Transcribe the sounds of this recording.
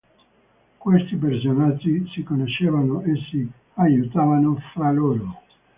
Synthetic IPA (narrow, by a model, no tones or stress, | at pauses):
kwest̪ip̬ers̬onad͡ʒːisikonoʃeːvanoesi | ajut̪aːvanofɾaloːɾo